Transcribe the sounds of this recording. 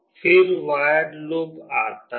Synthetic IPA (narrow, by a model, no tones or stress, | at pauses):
fɪɾʋaːjəɖlobaːt̪a